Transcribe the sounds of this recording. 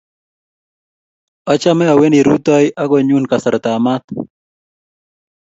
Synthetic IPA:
a˦t͡ʃa˦mɛ˦a˨we˦ni˨ɾu˦t̪a˦jʔa˦ɡɔ˨ɲu˦nka˨sə˨ɾt̪a˨ma˦t̪

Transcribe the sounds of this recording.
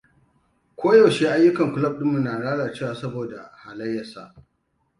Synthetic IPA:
kʷoː˦jɐ˨wʃe˦ʔa˦jːʊ˦kɐ˨ŋkʷʊ˨lɐ˦˨p̚ɗɪ˦mʊ˨nːaː˨ɽaː˦ɽaː˨t͡ʃeː˦˨waː˨sɐ˦boː˨da˨haː˨lɐ˦jːɐ˨sa̰˦ʔ

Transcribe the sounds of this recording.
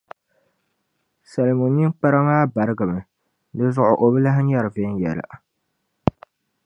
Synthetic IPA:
sa˨lmo˨ni˦ŋk͡pa˦ɾa˦maː˦ba˨ɾɨ˦ɡɨ˨mɨ˨ | dɨ˦zʊ˦ʔʊ˨ʔo˨bɨ˦la˦ɦɪ˦ɲa˦ɾɨ˨ve˦njɛ̰˨la̰˨ʔ

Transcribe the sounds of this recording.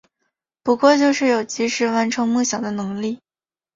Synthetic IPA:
pu˧˥kwɔ˥˧t͡ɕjo˥˧ʊʂɻ̩˥˩jo˨˩ʊt͡ɕi˧˥ʂɻ̩˧˥˩wa˧˥nʈ͡ʂʰɤ˧˥ŋmu˥˩ɕjɑ˨˩ŋd̪ə˦nɤ˧˥ŋli˥˩

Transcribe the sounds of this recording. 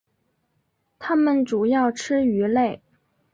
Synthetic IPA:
t̪ʰa˥mə˨nʈ͡ʂu˨˩jɑ˥˩ʊʈ͡ʂʰɻɻ̩˥y˧˥le˥˩ɪ

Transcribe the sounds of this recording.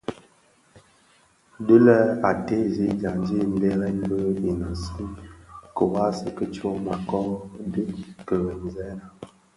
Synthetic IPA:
də˦lə˦a˨te˦zi˨˦d͡ʒa˨nd͡ʒi˦m˦be˦ɾɛ˦n˦bə˦i˨na˨si˦kə˨wa˦sə˦kə˦t͡ʃo˦ma˨kɔ˦də˦kə˨ɣə˨n˨zɛ˦na˨

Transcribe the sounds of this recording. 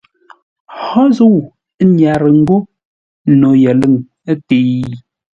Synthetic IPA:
hɔ˦zu˦˨w | ɲja˨ɾə˨ŋ̩˦ɡo˦ | no˨jɛ˨lə˦˨ŋ˦ | ti˨˦

